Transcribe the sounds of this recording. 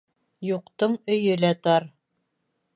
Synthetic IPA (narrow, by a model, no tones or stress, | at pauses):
juqt̪ɤɴɵ̆jɵlæt̪ɑɾ